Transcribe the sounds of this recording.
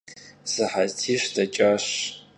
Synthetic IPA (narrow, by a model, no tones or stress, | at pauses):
zɨħaztʰiʃʷdʰat͡ʃʼaɕ